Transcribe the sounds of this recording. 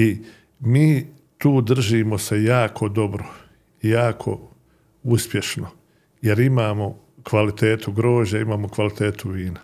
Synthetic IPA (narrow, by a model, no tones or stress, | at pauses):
i | miː | t̪uːd̪r̩ʒiːmo̞se̞jaːkʰo̞d̪o̞bɾo | ijaːkʰo̞̰ | uspje̞ʃno | je̞ɾimaːmo̞ | kʋalit̪eːt̪ʰuɡɾo̞ːʒaimaːmo̞kʋalit̪e̞ːt̪uʋiːna